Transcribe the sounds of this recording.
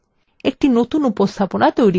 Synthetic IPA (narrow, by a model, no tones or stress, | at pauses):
ek̚ʈinot̪unupost̪ʰaponat̪ojɾi